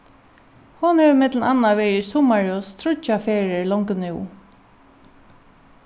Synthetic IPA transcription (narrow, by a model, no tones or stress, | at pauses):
hʊnhɛʋmɪt̪lnanːaʋɛːjɪsʊmaɹɔst̪ʰɾʊt͡ʃafɛːɹɪɹlɔŋknɪw